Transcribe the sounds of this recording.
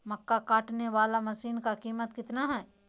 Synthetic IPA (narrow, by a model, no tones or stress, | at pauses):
mɐkːakaːʈneʋaːlamɐsiːnkakiːmət̪kɪt̪naɦɛː